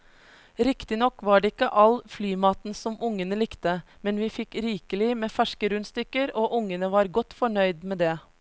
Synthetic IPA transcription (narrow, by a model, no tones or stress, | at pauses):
ɾɪkt̪ɪnɔkːʋɑːɖeːɪkːəʔɑlflyːmɑːt̪n̩sɔmʔʊŋənəlɪkt̪əmɛnʋiːfɪkɾiːkəlɪmeːfæʂkəɾʉnst̪ʏkəɾoːʔʊŋənəʋɑːɾɡɔt̪fɔɳœʏd̪meːd̪eː